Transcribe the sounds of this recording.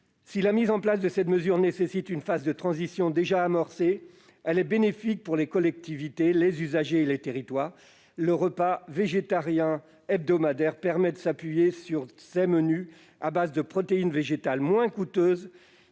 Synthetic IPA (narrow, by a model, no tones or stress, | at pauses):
silamizɑ̃plasd̪əsɛt̪məzyʁnesesit̪ynfazd̪ət̪χɑ̃zisjɔ̃d̪eʒaːmɔʁse | ɛlɛbenefik̚puʁlekɔlɛk̚t̪ivit̪elezyzaʒeːlet̪eʁit̪waːʁ | ləʁəpaveʒet̪aʁjɛ̃ | ɛb̚d̪ɔmad̪ɛʁpɛʁmɛd̪əsapɥijesyʁseməny | abazd̪əpχɔt̪einveʒet̪almwɛ̃kut̪øːz